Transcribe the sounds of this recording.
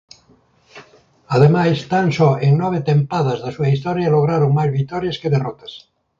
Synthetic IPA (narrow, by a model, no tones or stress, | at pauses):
aðemajst̪ansoeŋnoβ̞et̪empaðazðesuaist̪oɾjaloɣ̞ɾaɾoŋmajzβit̪oɾjaskeðerot̪ḁs